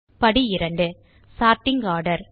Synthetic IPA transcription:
pɐɽiɪɾɐɳɖɯ | saːɾʈɪŋɡaːɾɽɐɾ

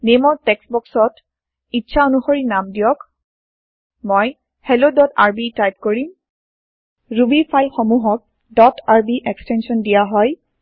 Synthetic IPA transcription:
nemɔɹtɛksbɔksɔt | itːʃʰaonuxoɹinamdijɔk | mɔj | hɛlodɔtaɹbitajt̚koɹim | ɹubipʰajlxomuɦɔk̚ | dɔtaɹbiʔɛkstɛnsɔndijaɦɔj

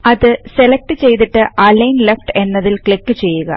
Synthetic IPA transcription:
ɐðɨse̞lek̚ʈɨt͡ɕe̞jt̪̬iʈːɨʔɐlɐjnlefʈe̞nːɐðilkɭikːɨt͡ɕe̞jːuɣɐ̰

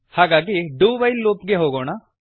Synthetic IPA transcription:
haɡak̬iɖuːʋɐjlːoːpɡeɦoːɡoːna

